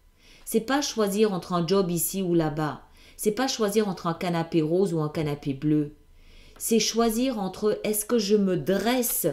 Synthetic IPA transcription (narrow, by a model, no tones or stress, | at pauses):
sɛpaʃwaziʁɑ̃t̪χɛ̃d͡ʒɔbisiulaba | sɛpaʃwaziʁɑ̃t̪χɛ̃kanapeʁozuɛ̃kanapeblø | sɛʃwaziʁɑ̃t̪χəʔɛskəʒəməd̪ʁɛs